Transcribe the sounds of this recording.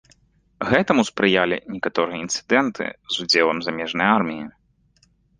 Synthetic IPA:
ɣɛt̪ɐmuspɾɨjalʲḭnʲɛkat̪ɔɾɨjɐint̪sɨ̥d̪ɛnt̪ʰɨ̰zud͡zʲelˠɐmzamʲɛʐnɐjarmʲiji

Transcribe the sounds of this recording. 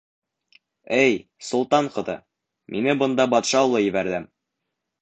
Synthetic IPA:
æj | sŭlˠt̪ɑɴqɤ̆d̪ɤ̰ | mʔinɘbɤ̆nd̪ɑbɒt̪ʃɑulˠɤjɘ̆bæɾd̪ɘm

